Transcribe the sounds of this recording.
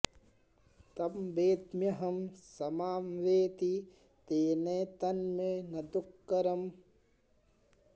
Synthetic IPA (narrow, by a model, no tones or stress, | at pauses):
t̪ɐmbeːd̪mjɐɦɐmsɐmaːmʋeːt̪i | t̪eːnɐːt̪ɐnmenɐd̪ukːɐɾɐm